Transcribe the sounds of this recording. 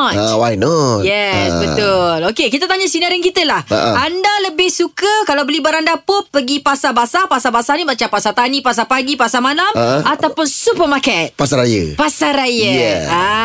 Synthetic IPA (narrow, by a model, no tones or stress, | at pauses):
wajnɔjɛsbət̪ʊlokekit̪at̪aɲasinaɾənkit̪əlaha̰ʔandaləbɪhsukəkalawbəlibaɾandapʊpːəɡipasabasapasabasanimat͡ʃapasat̪anĩpas̬apaɡipasamãlamat̪awpʊnsupəmakɛt̪̚pasaɾajə̰pasaɾajəɛa